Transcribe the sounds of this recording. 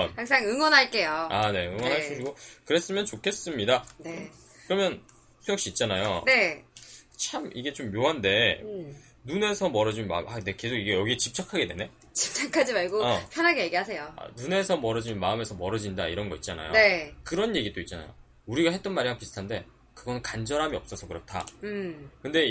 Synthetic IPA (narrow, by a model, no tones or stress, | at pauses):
nhaŋs͈aŋɯŋwʌnɦaɭk͈e̞joane̞ɯŋwʌnɦaɭs͈uɕʰiɡokɯɾe̞s͈ɯmjʌnt͡ɕokʰe̞s͈ɯmɲidane | kɯɾʌmjʌn | sʰojʌk̚ɕ͈iːt̚t͡ɕ͈anajone̞ | t͡ɕʰamiɡe̞t͡ɕomjoɦande̞ | nune̞sʰʌmʌɾʌd͡ʑimma̰ɯmaneke̞sʰoɡiɡe̞jʌɡiet͡ɕip̚t͡ɕ͈akʰaɡe̞dwe̞ne̞ | t͡ɕip̚t͡ɕ͈akʰad͡ʑimaɭɡoʌpʰjʌnɦaɡejeɡiɦasʰe̞joa̰nune̞sʰʌmʌɾʌd͡ʑimnmaɯme̞sʰʌmʌɾʌd͡ʑindaiɾʌnɡʌit̚t͡ɕ͈ana̰jo̰ekɯɾʌnje̞ɡid͈oitt͡ɕ͈ana̰jo̰ | uɾiɡahet͈ʌnmaɾiaŋpisʰɯ̥tʰande̞ | kɯɡʌnɯnkand͡ʑʌɾɦamiʌp̚s͈ʌsʰʌkɯɾʌtʰa̰ | kɯnde̞